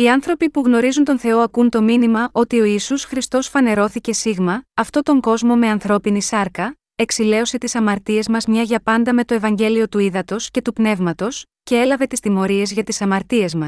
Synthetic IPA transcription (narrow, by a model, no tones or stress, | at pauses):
iɐnθɾo̞pipuɣno̞ɾizunt̪o̞nθe̞o̞ɐkunt̪o̞minimɐʔo̞t̪io̞isusxɾist̪o̞sfɐne̞ɾo̞θice̞siɣmɐɐft̪o̞t̪o̞ŋɡo̞zmo̞me̞ɐnθɾo̞pinisɐɾkɐ | e̞ksile̞o̞se̞t̪isɐmɐɾt̪ie̞zmɐzmɲɐʝɐpɐnd̪ɐme̞t̪o̞e̞vɐɲɟe̞lio̞t̪uiðɐt̪o̞sce̞t̪upne̞vmɐt̪o̞sce̞e̞lɐve̞t̪ist̪imo̞ɾie̞zʝɐt̪isɐmɐɾt̪ie̞zmɐs